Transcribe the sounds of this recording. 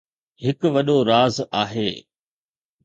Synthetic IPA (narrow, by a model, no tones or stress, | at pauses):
hɪkʋɐɗoɾaːzaːɦeː